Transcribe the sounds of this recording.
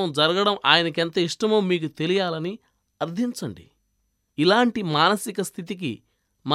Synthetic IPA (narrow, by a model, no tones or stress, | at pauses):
ɐmd͡ʒɐɾɐɡɐɽɐmʔaːjɐnɐkent̪ɐiʂʈɐmoːmːiːkut̪e̞lijaːlɐni | ɐɾd̪ʱiɲt͡ʃɐɳɖḭ | ilaːɳʈimaːnɐsikɐst̪ʰit̪̬ik̬ḭ | ma